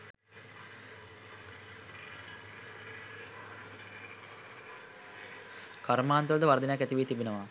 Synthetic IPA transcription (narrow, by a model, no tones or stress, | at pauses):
kaɾmaːnt̪uld̪əʋɐɾd̪injakːæt̪iʋijːt̪ibenəʋa